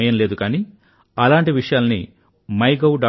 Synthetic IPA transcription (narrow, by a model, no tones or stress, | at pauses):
ɐjɐnleːd̪ukaːni | ɐlaːɳʈiʋiʂɐjaːlɐnḭ | mɐjɡɐwɖaː